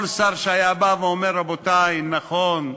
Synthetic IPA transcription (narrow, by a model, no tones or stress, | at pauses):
lsaʁʃeajabaveomeɾːabotaimnaχon